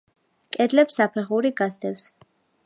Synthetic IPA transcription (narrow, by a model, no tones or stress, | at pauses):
kʼɛd̪lɛpsapʰɛʁuɾiɡasd̪ɛfs